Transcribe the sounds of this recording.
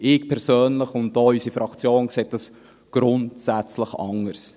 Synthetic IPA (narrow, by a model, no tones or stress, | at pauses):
ɪkpʰɛɾsøːnləχʊnt̚dɔːysifɾɑkt͡sjoːnkseːt̚dɑs | ɡ̥ɾʊntsæt͡sləχɑ̰ŋəɾs